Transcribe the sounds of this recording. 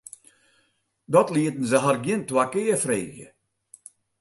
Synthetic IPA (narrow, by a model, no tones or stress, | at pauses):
dɔtliətn̩zəɦarɡjɪntwakɪːəfrḛːɣjə̰